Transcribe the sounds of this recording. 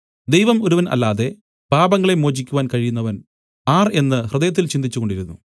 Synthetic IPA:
d̪ejʋɐmo̞ɾuʋɐnɐ̰lːaːðe̞ | b̥aːbɐŋːɐɭe̞mo̞ːd͡ʑikʲːuʋaːnkɐɻijunːɐʋɐn | aːre̞nːɨhrɨd̪ɐjɐt̪̬ːilt͡ɕind̪it͡ɕːuko̞ɳɖiɾunːṵ

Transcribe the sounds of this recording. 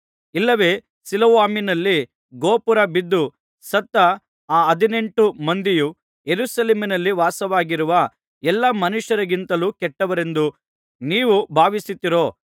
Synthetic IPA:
ilːɐʋe̞ː | siloʋaːminɐlːi | ɡoːpuɾɐbid̪ːu | sɐt̪ːɐ | aːɐd̪ine̞ɳʈumɐnd̪iju | jeɾusɐleːminɐlːiʋaːsɐʋaːɡiɾuʋɐ | ɛlːɐmɐnuʃjɐɾɐɡint̪ɐluːkɛʈːɐʋɐɾe̞nd̪u | niːʋubʱaːʋisit̪ːiɾo̞ː

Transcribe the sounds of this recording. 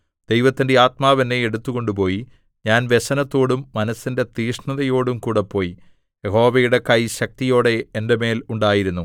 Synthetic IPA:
d̪̥e̞jʋɐt̪ːinde̞aːt̪maːʋɐnːeeɽut̪ːuɣo̞ɳɖupo̞ːji | ɲaːnʋe̞ɕɐnɐt̪ːo̞ːɽumːɐnɐsːinde̞t̪iːʂɳɐðɐjo̞ːɽumkuːɽepːo̞ːji | jeho̞ːʋɐjuɽe̞kɐjɕɐk̚t̪ijo̞ːɽe̞ːndeme̞ːluɳɖaːjiɾunːu

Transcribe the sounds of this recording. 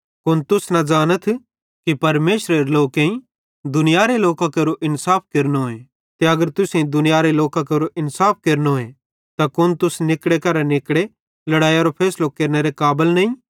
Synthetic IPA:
kʊnt̪ʊsnɐd͡ʒaːnət̪ʰ | kipɐɾmeːʃɾeɾeloːkẽĩ | d̪ʊnɪjaːɾeloːkakɐɾoʔɪnsaːp̚ʰkeːɾnoɦoẽ | t̪eɐɡəɾt̪ʊsẽĩd̪ʊnɪjaːɾeloːkakeɾoʔɪnsaːp̚ʰkeːɾnooẽ | t̪akʊnt̪ʊsnɪkɽekɐɾanɪkɽe | lɐɽaːjaɾopʰɛːslokeːɾneɾekaːbəlnɐːĩ

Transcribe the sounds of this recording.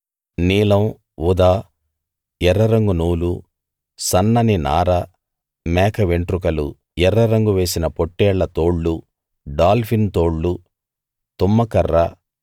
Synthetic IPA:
niːlɐm | ud̪aː | jɛɾːɐɾɐŋɡunuːlu | sɐnːɐnina̰ːɾɐ | mɛːkʰɐʋeɳʈɾukɐlṵ | ɛɾːɐɾɐŋɡuʋe̞ːsinɐpoʈːɛːɭːɐt̪oːɭːu | ɖaːlpʰint̪o̞ːɭːu | t̪umːɐkɐrːɐ

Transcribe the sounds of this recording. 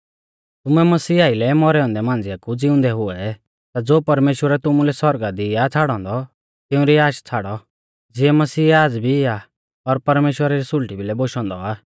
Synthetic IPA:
t̪ʊmɛmɐsiːaːilɛmɔɾɛɔ̃ːnd̪ɛmãːnd͡zɪjakud͡zɪʊ̃nd̪ɛɦʊɛ | t̪ad͡zoːpɐɾmeːʃwəɾɛt̪ʊmulɛsɔɾɡad̪iat͡sʰaːɽɔ̃ːnd̪ɔ | t̪ɪũɾiaːʃt͡sʰaːɽɔ | d͡zɪɛmɐsiːaːd͡zbʱiɪa | ɔɾpɐɾmeːʃwəɾaɾisʊlʈibʱilɛboʃɔ̃ːnd̪ɔaː

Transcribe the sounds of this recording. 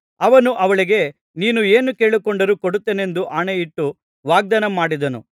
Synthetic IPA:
ɐʋɐnuʔɐʋɐɭiɡe̞ | niːnueːnuke̞ːɭikɔɳɖɐɾukoɽut̪ːeːne̞nd̪uʔaːɳeiʈːu | ʋaːɡ̚d̪ɐnɐmaːɽid̪ɐnṵ

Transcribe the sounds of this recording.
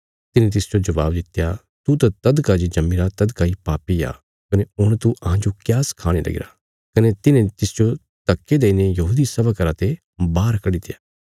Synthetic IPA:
t̪ɪnẽt̪ɪsd͡ʒod͡ʒɐʋa̰ːbd̪ɪt̪ːja | t̪ut̪at̪ɐd̪kad͡ʒid͡ʒɐmːiɾat̪ɐd̪kaipaːpija̰ː | kɐneʊɽ̃t̪uʔɐɦãd͡ʒokjaːskʰaːɽ̃elɐ̰ɡɪ̰ɾa̰ː | kɐnet̪ɪnẽt̪ɪsd͡ʒo | t̪ɐkːed̪eːinejɐɦuːd̪isɐbakəɾat̪e | baːɾkɐɽit̪ɪjaː

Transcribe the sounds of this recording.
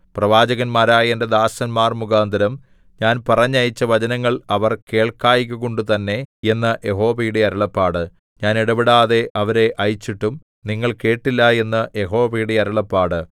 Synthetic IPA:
prɐʋaːd͡ʑɐɣɐnmaːɾaːjended̪aːsɐnmaːrmuɡaːnd̪ɐɾɐm | ɲaːnpɐrɐɲːɐjit͡ɕːɐʋɐd͡ʑɐnɐŋːɐɭɐʋɐrke̞ːɭkaːjikʲːuɣoɳɖɨt̪ɐnːe̞e̞nːɐʔje̞ɦo̞ːʋɐjuɽe̞ɐɾɐɭɐpːaːɽɨ | ɲaːniɽɐbiɽaːðe̞ʔɐʋɐɾe̞ʔɐjit͡ɕːiʈːum | niŋːɐɭke̞ːʈːilːɐe̞nːɐje̞ɦo̞ːʋɐjuɽe̞ɐɾɐɭɐpːaːɽɨ

